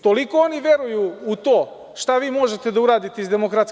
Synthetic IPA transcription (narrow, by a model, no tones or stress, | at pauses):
t̪o̞liko̞oniʋje̞ɾujuut̪o̞ː | ʃt̪aʋiːmo̞ʒet̪e̞d̪auɾaːd̪it̪eizd̪e̞mokɾat̪s